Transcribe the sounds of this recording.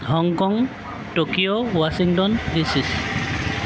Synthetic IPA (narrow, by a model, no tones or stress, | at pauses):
hɔŋkɔŋ | tokijowasiŋtɔndisis